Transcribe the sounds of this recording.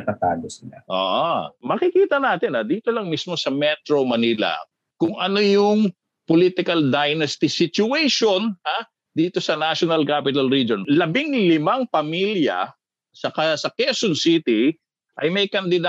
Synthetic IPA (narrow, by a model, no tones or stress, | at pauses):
ɐt̪at̪a̰ːɡ̪osɪlaʔo̰ːʔmɐkɪkiːt̪ɐnaːt̪ɪnad̪iːt̪o̞lɐŋmismo̞sɐmɛt̪ɾomɐnilɐ̰ | kʊŋɐno̞jʊŋ | poliːt̪ɪkɐld̪ajnɐst̪ɪsɪt͡ʃʊɛjʃo̞nha | d̪iːt̪o̞sɐnaʃonɐlkapɪt̪ɐlɹid͡ʒonlɐbɪŋlɪmaŋpɐmiljɐ̰ | sɐkɐsɐkɛsonsit̪i | ʔɐjmɐjkɐnd̪ɪd̪a